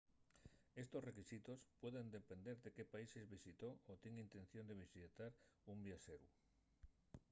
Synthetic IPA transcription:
est̪osrekisit̪ospwoðend̪epend̪eɾðekepaisezβisit̪oot̪iŋint̪ẽn̟θjond̪eβisit̪aɾumbjaʃeɾṵ

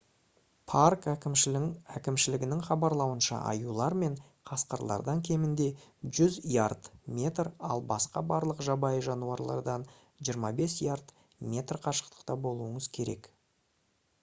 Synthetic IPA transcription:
pʰarkækʲɪmʃɪækʲɪmʃɪlɪɡʲɪnɪŋχɑbɑɾlˠɑwənʃɑ̰ʔɑ̰julˠɑɾme̞ɴ | qʰɑsqəɾlˠɑ̰ɾd̪ɑŋkʲʰe̞mɪnd̪e̞ʒʏzijart̪mʲe̞t̪rɑ̰lˠbɑsqɑbɑɾlˠəqʒɑbɑjəʒɑnuɑɾlˠɑ̰ɾd̪ɑn | ʒijəɾmɑbe̞sjaɾt̪ | mʲe̞t̪rqʰɑʃə̥qt̪ə̥qt̪ɑbo̞lˠuəɴəz̥kʲʰe̞ɾe̞̰k

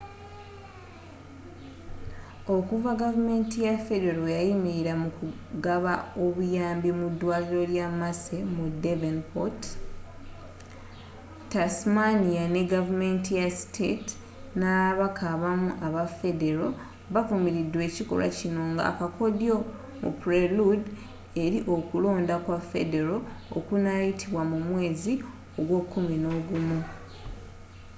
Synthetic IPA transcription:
o̞kuvaɡavume̞ːntijafe̞de̞ɾojajimiɾiɾamuku | ɡaβao̞βujaːmbimudːwaːliɾo̞ljamasemudevenpot | tasmanijane̞ɡavume̞ntijasi̥tʰeti̥ | naβakʰaβamuʔaβafe̞de̞ɾo̞ | βafumiɾidwe̞ːciko̞̰la̰cino̞ːŋɡa̰kakʰo̞djo̞ | mṵpɾelud | e̞ɾiʔo̞kulo̞ːndakwafe̞de̞ɾoo̰kunajitʰiβwamumwe̞ːzi | o̞ɡwo̞kʰːumino̞ːɡumu

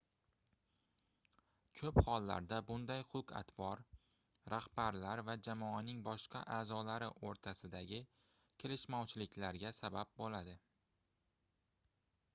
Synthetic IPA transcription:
kʲʰɵphɒlˠːa̰ɾd̪abʊnd̪ajqʰʊka̰t̪vɒɾ | ɾahbaɾlaɾvad͡ʒamɒanɪŋbɒʃqɑ̰ʔaːzɒlaɾɪʔoɾt̪ʰasɪd̪aɡʲɪ | kʲʰe̞lɪʃmɒwt͡ʃʰɪlɪkʲlaɾɡʲasabap̚bolad̪ɪ

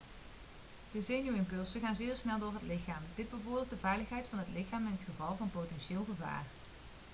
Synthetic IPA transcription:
d̥əzejnyɪmpɵlˠsəɣaːnzɪːɹsnɛlˠdʊːɹɦətlɪxaːmdɪd̚bəvʊːɹbɪːlˠtdəvɛjləχɦɛjtfɑnɦətlɪxaːmɪnɦətχəvɑlˠvɑnpowtɛnʃɪːlˠɣəva̰ːr

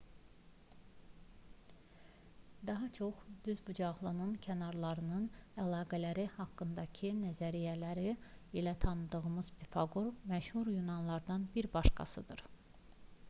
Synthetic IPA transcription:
d̪ɑɦɑt͡ʃʰo̞χd̪̥yzbud͡ʒɑʁlˠɯnɯncʰænɑɾlˠɑɾɯnɯnælˠɑːɡælæɾihɑkːɯnd̪ɑcʰinæzæɾijælæɾiilæt̪ʰɑnɯd̪ɯɣɯmɯz̥bifɑɡuɾmæʃhuɾjunɑnlˠɑɾd̪ɑnbiɾbɑʃkɑ̰sɯ̰d̪ɯɾ

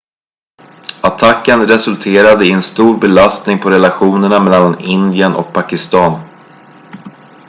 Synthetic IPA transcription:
at̪ʰakːənɾɛsɵlt̪ʰeːɾad̪əɪɛnst̪uːɾbɛlast̪nɪŋpʰɔɾɛlaɧuːnəɳamɛlːalːanɪnd̪ɪənʔɔ̰k̚pʰakɪst̪ɑːn

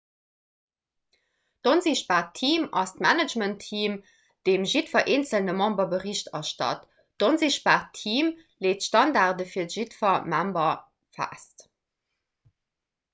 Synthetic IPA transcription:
d̥onziʃbaːʁtʰiːmɑ̰stmænəd͡ʒməntʰːiːm | d̥eːmʒitfɐʔeːnt͡səlnəmɑ̃mbɐbəʁiɕtɑʃtɑ̰t | d̥onziʃpaːʁtʰiːm | leːtʃtɑndaːʁdəfiːɐdəʒ̥itfɐmæmbɐ | fæ̰st

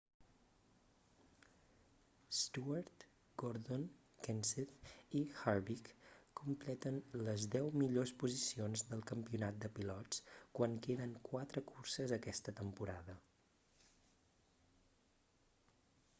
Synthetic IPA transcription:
st̪uaɾt̪ | ɡ̥oɾðon | kɛnseθixaɾβikkːumplɛt̪ənləzd̪ɛwmiʎospuzisionzðəlˠkəmpiunat̪̚d̪əpilɔt͡skwaŋkeðəŋkwat̪ɾəkursəzəkɛst̪ət̪əmpuɾaðə

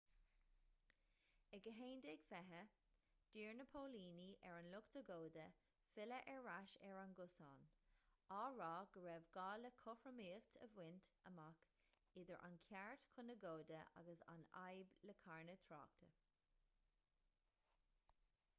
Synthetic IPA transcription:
əɡəɦeːndɪɡfɛɦə | d̥iːɹnəpʰoːliːniʔɛɹanlʊktəɡoːdə | fɪləʔɛɹːaʃɛɹanɡʊsɑːnɑːɹɑːɡ̥əɹɛvɡɑːləkʰʊfɹəmiːkt̪ʰəvwɪntəmak | ɪd̪əɹʔa̰nkʰjaɹt̪kʰʊnəɡoːdəʔa̰ɡəsa̰na̰jbləkʰaɹnət̪ʰɹɑ̰ːk̚t̪ʰə̰

